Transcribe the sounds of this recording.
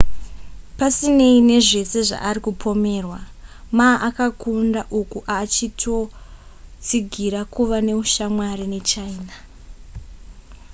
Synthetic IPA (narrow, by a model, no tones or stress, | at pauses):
pasine̞ine̞ʐe̞se̞ʐa̰ʔːrikupʰo̞me̞ːrwa | maːʔakakundaʔukuʔaːt͡ʃitʰo̞ | t͡siɡʱiɾakuʋane̞uʃamwaɾine̞t͡ʃaina